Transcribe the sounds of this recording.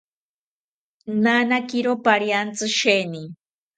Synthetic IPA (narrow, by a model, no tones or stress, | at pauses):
nanakiɾopaɾjant͡sɨʃeni